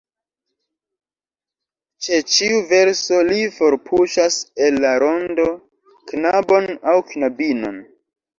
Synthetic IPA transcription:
t͡ʃe̞t͡ʃiuve̞ɾso̞lifo̞ɾpʰuʃase̞lːaɾo̞ndo | knabo̞nawknabino̞̰n

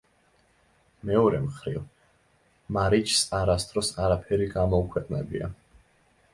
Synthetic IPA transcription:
mɛɔɾɛmχɾḭv | maɾit͡ʃʰsaɾast̪ʰʼɾɔsaɾapʰɛɾiɡamɔukʰwɛqʼnɛbḭa̰

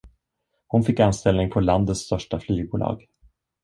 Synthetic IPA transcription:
hʊnfɪkːanst̪ɛlnɪŋpʰɔland̪ət̪st̪œʂʈaflyːɡ̚buːlɑ̰ːɡ

